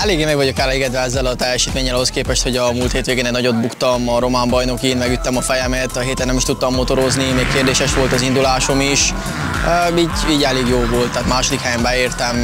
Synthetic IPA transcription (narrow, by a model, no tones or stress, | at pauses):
ɛleːɡeːmɛɡʋɒɟo̞kɛleɡɛd̪ʋɛɛzːɛlɒt̪ɛjːɛʃiːt̪meːɲːɛlɒɦo̞skeːpɛʃt̪ho̞ɟɒmuːlt̪heːt̪ʋeːɡeːnɛɟnɒɟo̞d̪̚bukt̪ɒmɒɾo̞maːmbɒjno̞kiːnmɛɡyt̪ːɛmɒfɛjɛmɛt̪ɒɦeːt̪ɛnːɛmiʃt̪ut̪ːɒmːo̞t̪o̞ɾo̞znimeːkkːeːrd̪eːʃɛʃʋo̞lt̪ɒzind̪ulaːʃo̞miʃ | øːiːɟiːɟɛleːɡjoːvo̞lt̪ːɛːt̪maːʃo̞d̪ikhɛjɛmbɛeːrt̪ɛm